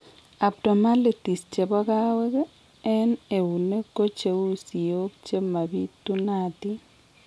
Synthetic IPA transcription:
a˨p̚tɔ˨ma˦le˨ti˨st͡ʃe˨bɔ˦ka˦wɛ˦k | ɛ˦ne˨u˨ne˦ko˦t͡ʃe˨u˦si˨o˦kt͡ʃe˦ma˨bi˦tu˦na˨ti˦

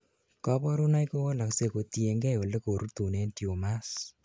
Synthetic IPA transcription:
kɔ˦pɔ˦ɾu˦na˦jko˦wo˦la˨kse˧ko˨t̪i˨e˨ŋɡɛ˦o˨le˦ko˨ɾu˦t̪u˨ne˦nti˨o˨ma˦s

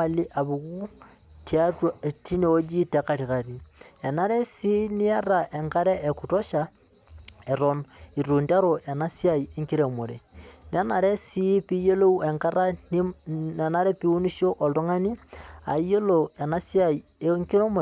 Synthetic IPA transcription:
a˨li˦ʔa˨βu˨ku˦ | tia˦twa˨ti˦ne˨o˦d͡ʒi˦teka˨ɾi˨ka˨ɾi˨e˨na˦ɾe˦si˦ni˦a˦ɾa˨ʔe˨ŋka˦ɾe˦e˨kuto˦ʃa | e˨ɾoni˨ɾu˨nda˦ɾo˨ʔe˨na˦sja˦i˨e˦ŋki˦ɾe˨mo˨ɾe˨ne˦na˨ɾe˦si˦pi˦je˦lo˦u˦e˨ŋka˦ɾa˦nne˨na˦ɾɛ˦pi˦u˦ni˦ʃjo˦ʔo˨do˦ŋa˦ni˦a̰˨i˦jo˦lo˨e˨na˦sia˨i | eŋki˦ɾe˦mo˨

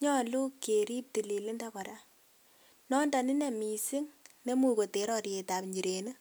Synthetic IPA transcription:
ɲɔ˦lu˦ke˨ɾi˦p̚ti˨li˨lɪ˦nda˦kɔ˨ɾa˦ | nɔ˦nda˨nɪ˦ne˨mi˨sɪ˦ŋne˦mu˦˨ko˨te˨˦ɾɔ˦ɾje˨ta˨pɲi˨ɾe˨nɨ˦

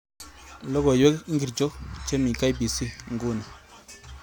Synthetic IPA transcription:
lɔ˦ɡo˨jwe˦ki˦ŋɡi˨ɾd͡ʒo˦t͡ʃe˦mi˨ka˦jbi˨si˦ŋɡu˦ni˨

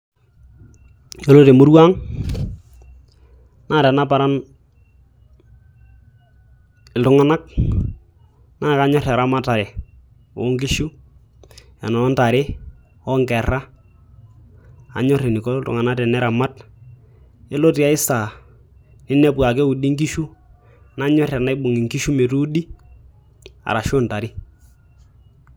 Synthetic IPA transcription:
o˦lo˦te˨mu˦ɾwa˦ŋ | naː˦˨tɛ˨na˦pa˨ɾa˦n | ɪ˨ltʊ˨˦ŋa˦na˦k̚ | na˦˨ka˨˦ɲɔ˦ɾa˨ɾa˦ma˦ta˨ɾe˨ | o̰˨˦ŋɡi˦ʃu˦ | a̰˨nɔ˨nɔ˦nta˨ɾe˦ | ɔ˦ŋkɛ˨ra˦ | a̰˨ɲɔ˦ɾɪ˨nɪ˨ko˦tʊ̰˨ŋa˨na˦tɛ˨nɛ˦ɾa˨ma˦t | e˦lo˦ti˨a˦ɪ˦sa˨ | nɪ˦nɛ˦pwa˨k̬e˦u˨di˦ŋki˦ʃu˦ | na˦ɲɔ˦rja˨na˦ɪ˦bʊ˨ŋi˨ŋki˦ʃu˦me˨tu˦u˦di˦ | a̰˨ɾa˨ʃo˦nta˨ɾɪ˦

